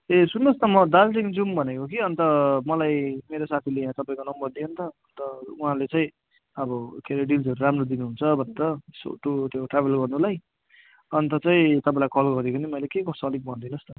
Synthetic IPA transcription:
esunːost̪ʌmʌd̪alʈiŋd͡zumbʱʌnekok̬iʌnt̪ʌmʌlajmeɾosat̪ʰilejãt̪ʌpaĩkonʌmbʌrd̪iɦont̪ʌʌnt̪ʌuɦãlet͡sʌĩ | ʌbʌkʰeɾeɖilsʌɾuɾamrod̪inuɦunt͡sʰʌbʱʌnt̪ʌso̰ʈut̪joʈrabʱelɡʌrnulaj | ʌnt̪ʌt͡saĩt̪ʌpaĩlajkʰʌlɡʌɾekunimʌjlekeɡʌsoʌlik̚bʱʌnd̪inost̪ʌ

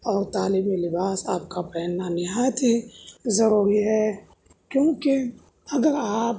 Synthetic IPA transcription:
ɔːɾt̪aːliːmilɪbaːsaːpkapɛːnːanĩɦat̪izɐɾuːɾiɦɛː | kjõːke | ɐɡəɾaːp

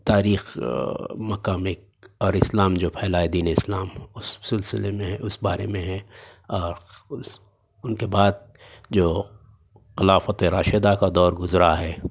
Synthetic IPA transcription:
t̪aːɾiːx | mɐkaːmɪk̚ | ɔːɾɪslaːmd͡ʒoːpʰɛːlaːed̪iːneɪslaːmʊsːɪlsɪlemẽɦɛ̃ʊsbaːɾḛmẽɦɛ̃ | ɔːɾʊs | ʊnkebaːd̪̚ | d͡ʒoː | xɪlaːfət̪eɾaːʃed̪akad̪ɔːɾɡʊzɾaɦɛː

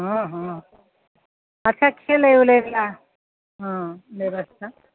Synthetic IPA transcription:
ɦʌ̃ɦʌ̃ | ətːt͡ʃʰakʰeleuleɡla | ɦʌ̃meɾost̪ʰa

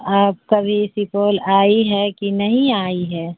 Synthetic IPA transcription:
aːp̚kɐbʱisipoːlaːiɦɛkinɐɦĩaːiɦɛː

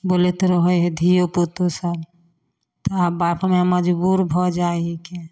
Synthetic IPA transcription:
boːlet̪oɾɔɦojɦed̪ʱijopot̪osab | t̪oabapʰmeməd͡ʒbuɾbʱɔd͡ʒaːike

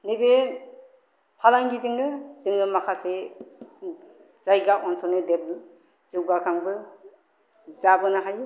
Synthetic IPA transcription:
nibe | pʰalaŋɡizɯŋnɯzɯŋnɯmakʰase | z̥ajɡap̚ɔnsʰɔnɯdebl | zɯwɡakʰaŋbɯ | zabɯnaɦaju

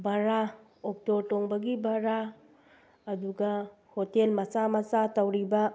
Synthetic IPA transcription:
baɾa | ok̚toɾtoŋbɐɡibaɾaː | duɡɐ | hotelmɐsamɐsatɐwɾibɐ

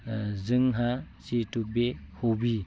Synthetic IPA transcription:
zɯŋɦa | situk̚behobi

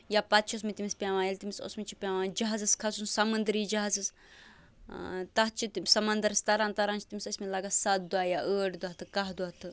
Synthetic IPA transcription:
japɐt̪t͡ʃʰosmit̪imispʲaːʋãːjɐlʲt̪imiso̰smit͡ʃʰipʲaːʋãːnd͡ʒɐɦazɐskʰɐsunsɐmɐnd̪ɾiːd͡ʒɐɦzɨs | t̪ɐɦt͡ʃʰit̪imʲsɐmɐnd̪ɐɾɐst̪ɐɾaːnt̪ɐɾaːnt͡ʃʰt̪imisɐsʲmilɐɡasɐt̪̚d̪uaːjaʔəːʈd̪uaɦt̪ʰɨkɐɦd̪uaːt̪ʰɨ

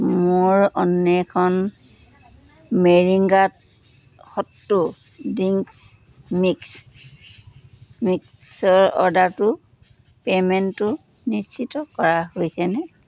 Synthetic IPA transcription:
mʊɹɔnːɛkʰɔn | meɹiŋɡat̚ | xɔtːu | diŋs | miks | miksɔɹɔ̰ɹdaɹtʊ | pemɛntːʊ | nist͡ʃʰitɔkɔɹahojsɛnɛ

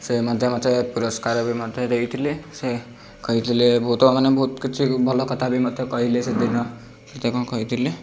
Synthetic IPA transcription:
semad̪ʱjemat͡sepuɾʌskaɾbimʌd̪ʱjeɾʌɦit̪ʰilese | kʌɦit̪ʰilebɔɦut̪mamanebɦut̪kit͡sʰibʱɔlɔkʌt̪ʰabimʌd̪ʱjekʌɦilesed̪inʌ | set̪ekɔ̃kʌɦit̪ʰile

